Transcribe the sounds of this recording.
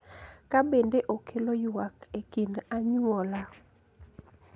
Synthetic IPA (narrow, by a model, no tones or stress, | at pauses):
kabendeʔokʰelojwakekinaɲwɔla